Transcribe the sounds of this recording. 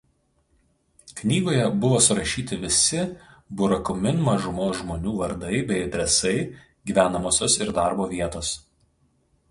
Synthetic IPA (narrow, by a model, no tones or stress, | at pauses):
knʲiːɡoːjɛbʊʋoːsʊɾɐʃʲiːt̪ʲɪʋʲɪsʲɪbʊɾɐkʊmʲɪnmɐʒʊmoːsʒmoːnʲuːʋɐɾd̪ɐɪbʲɛɪɐd̪ʲɾʲɛsɐɪ | ɡʲiːʋʲæːnɐmoːsʲoːsɪɾd̪ɑˑɾboːʋʲiɛt̪oːs